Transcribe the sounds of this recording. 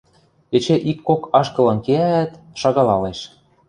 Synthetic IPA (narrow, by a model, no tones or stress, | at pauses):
et͡ɕeʔikːokɑʃkɤ̆lɤ̆nkeææt̪ | ʃɑɣɑlɑleʃ